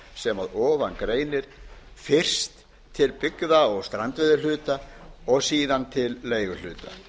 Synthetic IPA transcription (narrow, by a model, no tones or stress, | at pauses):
sɛmaðɔːvankɾeːjnɪɾ̥fɪr̥st̪ʰː | ɪlpɪkðaɔɣst̪ɾant̪vɛðʏlʏːt̪aɔɣsiːðant̪ʰɪlːeːjɣʏl̥ʏ̰ːt̪a̰